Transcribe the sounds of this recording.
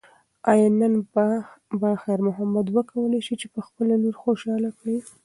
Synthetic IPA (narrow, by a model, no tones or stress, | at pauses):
ɑjɑnən | baxaɾmʊɦamad̪wəkawəlajʃit͡ʃepəxpəlanoɾxoʃɑlakɽi